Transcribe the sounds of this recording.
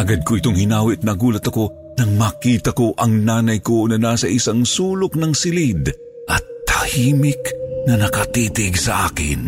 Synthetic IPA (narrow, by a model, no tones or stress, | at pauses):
ʔɐɡad̪̚koʔɪt̪oŋhɪnaːwɪt̪̚nɐɡuːlɐt̪ɐko̞ | nɐŋmakiːt̪ɐkoʔɐŋnaːnɐjkonɐnasɐʔɪsaŋsuːlʊk̚nɐŋsɪlid̪ | ʔɐt̪̚ːahiːmɪknɐnɐkɐt̪it̪ɪɡsɐʔaːkɪ̰n